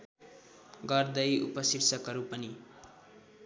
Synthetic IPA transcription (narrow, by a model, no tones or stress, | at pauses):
ɡʌrd̪ʌjṵpʌsiɾt͡sʌkʌɾupʌni